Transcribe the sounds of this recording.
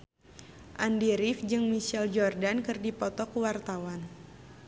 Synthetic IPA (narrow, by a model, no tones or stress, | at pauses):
ʔandiɾifd͡ʒɨŋmiʃɛld͡ʒɔrdankɨrdipɔt̪ɔkuwart̪awan